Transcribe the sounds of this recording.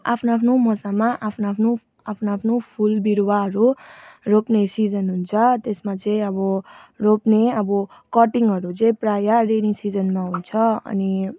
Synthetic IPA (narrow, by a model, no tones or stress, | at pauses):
a̰pʰnaapʰnomʌsamãʔapʰnapʰnu | apʰnaapʰnopʰulbiɾwaɦʌɾuɾopnesid͡zʌnɦunt͡sʰʌt̪esmãt͡sẽĩʌbɔɾopneʌbɔ | kɔʈiŋɡɦʌɾut͡sẽjpɾajaɾenĩŋsid͡zənmãɦunt͡sʰʌʌ̰ni